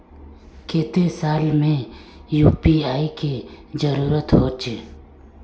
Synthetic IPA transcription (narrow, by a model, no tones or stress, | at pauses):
keːt̪esaːlmẽjuːpiaːikid͡ʒəɾuːɾət̪ɦoːt͡ʃeː